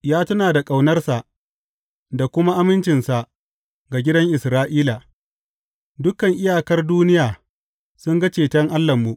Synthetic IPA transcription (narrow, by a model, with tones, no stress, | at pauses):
jaː˦tɐ˦naː˨da˨kʼa˨wnɐ˦rsa˨ʔ | da˨kʷʊ˦ma˦ʔa˦mɪ˦nt͡ʃɪ˨nsa˨ʔ | ɡa˨ɡʲɪ˦dɐ˦ŋʔɪ˨sɾaː˦ʔiː˦laː˨ | dʊ˦kɐ˨ŋʔɪ˦jaː˨kɐ˦rduː˦nɪ˦jaː˨ | sʊ˦ŋɡɐ˦t͡ʃeː˨tɐ˦ŋʔa˦lːɐ˨mːu˨ʔ